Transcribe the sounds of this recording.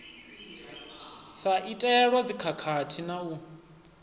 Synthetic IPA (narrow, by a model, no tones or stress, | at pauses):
saʔitʼɛɺwad͡zikʰakʰatʰinau